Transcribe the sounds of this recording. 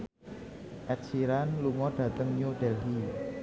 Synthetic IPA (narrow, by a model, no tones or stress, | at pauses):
ʔɛt̪̚siɾanluŋɔɖ̥ä̤t̪əŋɲod̥ɛlɦi